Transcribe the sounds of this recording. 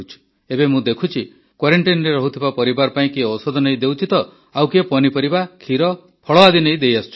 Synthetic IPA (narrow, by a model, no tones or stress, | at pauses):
t͡ʃʰi̥ | ebemũd̪ekʰut͡ʃʰi | kwaɾeɳʈinɔɾeɾɔɦut̪ʰibapɔɾibaɾɔpaĩkiɔsɔd̪ʱɔneĩd̪ewt͡ʃit̪ɔ | awkiepɔnipɔɾibakʰiɾɔ | pʰɔɭɔad̪ʱinej̃d̪ejast͡ʃʰu̥